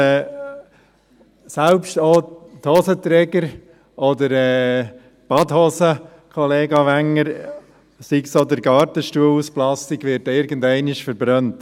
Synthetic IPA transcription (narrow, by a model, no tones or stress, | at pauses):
ɛ | sælpʃtoːthɔsətɾɛɡəɾ | ʔɔd̪əɾɛː | b̥ɑdhosə | kʰɔleːɡɑʋæŋːəɾ | siksod̪əɾɡɑːɾtəʃtuːəlusplɑstiɡʋɪɾtɪɾɡəndɛɪnɪʃfəɾbɾœnt